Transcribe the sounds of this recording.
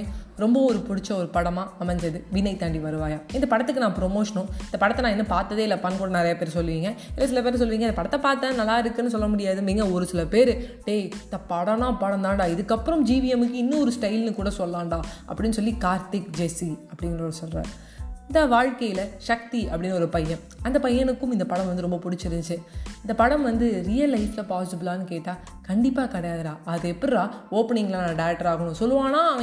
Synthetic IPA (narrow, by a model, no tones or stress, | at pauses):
ɾɔmbɐɔɾɯpʊɽɪt͡ʃːɐɔɾɯpɐɽɐmaːɐmɐɲd͡ʒɐðɯʋɪnɐɪt̪ɐɳɖiʋɐɾɯʋaːjaːɪnd̪ɐpɐɽɐt̪ːɯkːɯnãːpɾɔmoːʂɐnʊ̃ɪnd̪ɐpɐɽɐt̪ːɛnãːɛnːɐpaːɾt̪ːɐðeːɪlːɐpɐnːkuːɽɐnɪɾɐjɐpeːɾsɔlːɯʋiːŋɡɐɪ̰lːɐs̬ɪlɐp̬eːɾs̬ɔlːɯʋiːŋɡɐɪnd̪ɐpɐɽɐt̪ːɐpaːɾt̪ːɐːðɯnɐlːaːɪɾɯkːɯnːɯs̬ɔlːɐmʊɽɪjaːðɯniːŋɡɐɔɾɯsɪlɐpeːɾɯɖeːnt̪ɐpɐɽɐnãːpɐɽɐnd̪aːɳɖaːɪðɯkːɐpːɯɾɔmd͡ʒiːʋijɛmɯkːɯɪnːɯ̃ɔɾɯsʈɐɪlnɯkuːɽɐsɔlːaːɳɖaːʔɐ̰pːɐɽɪnːɯsɔlːikaːɾt̪ɪkd͡ʒesiɐpːɐɽɪnɾoːɽɯsɔlɾa̰ːɾ | ɪnd̪ɐʋaːɻkɐjɪlɐʂɐk̚t̪iɐpːɐɽɪnːɔɾɯpɐjːɐ̃m | ɐnd̪ɐpɐjːɐɳɯkːɯmɪnd̪ɐpɐɽɐmʋɐnd̪ɯɾɔmbɐpʊɽɪt͡ʃːɪɾɯɲd͡ʒɯɪnd̪ɐpɐɽɐmʋɐnd̪ɯɾijɐlːɐɪflɐpaːsɪʈɪbɯlaːnɯkeːʈːaː | kɐɳɖɪpːaːkɐɽɐjaːðɯɾaːɐðɯɛpːɐɾlaːoːpːɐɳɪŋɡɐlːnãːɖɐjɐʈːɐɾaːɣɐɳʊ̃sɔlːɯʋaːnaːɐʋɐ